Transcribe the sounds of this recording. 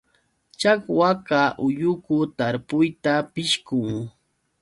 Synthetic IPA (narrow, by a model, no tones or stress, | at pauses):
t͡ʃakwakaʔʊjʊkʊt̪aɾpʊjt̪apɪʃkʊŋ